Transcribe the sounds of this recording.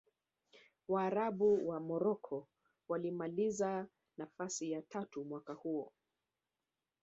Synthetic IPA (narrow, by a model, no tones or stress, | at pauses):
waːɾaɓuwamɔɾɔkʰɔ | walimaliza | nafasijatatumwakahuɔ